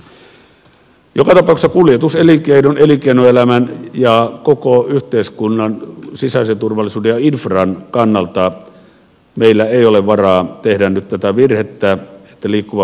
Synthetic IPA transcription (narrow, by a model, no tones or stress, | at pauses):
jokɑt̪ɑpɑˑuksɑkuljet̪uselikeinonelikeinoelæmænjɑkokoyht̪eˑiskunːɑnsisæsent̪urʋɑlːˑisuːdejjɑinfrɑːnkɑnːɑlt̪ɑ | meˑilːæeˑioleʋʋɑrɑːt̪ehdænnyt̪t̪æt̪æʋirhet̪ːæe̥t̪ːæliːkːuʋɑ